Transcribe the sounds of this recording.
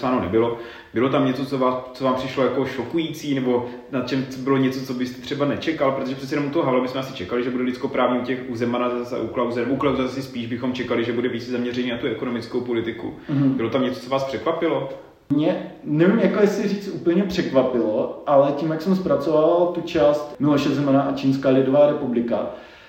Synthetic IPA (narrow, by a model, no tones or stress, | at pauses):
saːnonɛbɪlo̞ | bɪlo̞t̪amɲɛt͡so̞t͡so̞vaːst͡sovaːmpr̥ɪʃlojako̞ʃo̞kujiːt͡siːnɛbo̞ | nat̪̚t͡ʃɛmt͡sobɪloɲɛt͡so̞t͡sobɪst̪ɛ̥t̪r̥ɛbanɛt͡ʃɛkalpɾot̪oʒɛprɛt͡ssɛjɛnomut̪oɦoɦalabɪsmɛʔasɪ̥t͡ʃɛkalɪʒɛbudɛlɪt͡skopɾaːvɲɛucɛxuzɛmanazasa̰ʔuklawzɛnɛboʔuklawzasɪspiːʒbɪxo̞mt͡ʃɛkalɪʒɛbudɛviːt͡szamɲɛrɛɲiːnat̪uɛkono̞mɪt͡skowpo̞lɪt̪ɪkṵɦ̩bɪlo̞t̪amɲɛt͡so̥t͡so̞vaːspr̥ɛkvapɪlo | mɲɛnɛvimjakojɛsɪriːt͡st̪ʔuːpl̩ɲɛpr̥ɛkvapɪloʔalɛciːmjaksɛmspɾat͡sovavalt̪ut͡ʃaːst̪mɪloʃɛzɛmanaʔat͡ʃiːnskaːlɪdovaːɾɛpublɪka̰